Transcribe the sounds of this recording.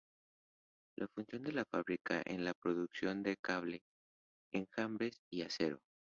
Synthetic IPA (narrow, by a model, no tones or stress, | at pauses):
lʔafunsjo̞nd̪e̞lafaβɾika̰ʔḛnlapɾo̞ðuksjo̞nd̪e̞kaβle̞ | eŋxambɾe̞siaseɾo̞̰